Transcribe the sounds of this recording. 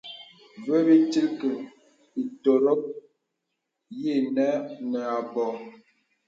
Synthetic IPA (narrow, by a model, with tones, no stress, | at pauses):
ve˦bi˦ti˦lkə˨ | i˨to˨ɾo˦k̚ | je˦˨nɛ˦nɛ˨a˨bɔ˨